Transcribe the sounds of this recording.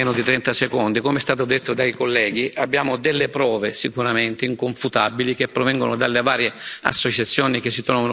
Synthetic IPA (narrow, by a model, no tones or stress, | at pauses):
ɛːnʊd̪it̪ɾɛnt̪asekond̪ikomeɛst̪aːt̪od̪et̪ːod̪aikolːɛːɡiʔabːjaːmod̪elːepɾɔːvesikuɾament̪eiŋkoɱfut̪abilik̟epːɾovɛŋɡonod̪alːevaːɾjea̰sːot͡ʃat̪sːjɔːnikesːit̪ɾɔvan